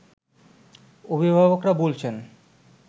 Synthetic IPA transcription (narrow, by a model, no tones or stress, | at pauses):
obʱibʱabokɾabolt͡ɕʰen